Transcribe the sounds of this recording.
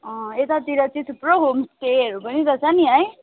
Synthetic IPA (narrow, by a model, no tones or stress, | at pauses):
ʌ̃et̪at̪iɾʌt͡sit̪ʰpɾoɡʱomsʈeɾupʌnit̪ʌt͡saniɦʌj